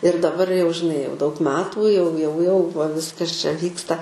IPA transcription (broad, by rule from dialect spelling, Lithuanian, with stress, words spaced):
ɪr dɐˈbɐr jɛʊ ʒʲɪˈnɐɪ jɛʊ dɐʊk ˈmʲæːtuː jɛʊ jɛʊ jɛʊ ʋɐ ˈʋʲɪskɐs t͡ʃʲɛ ˈʋʲiːkstɐ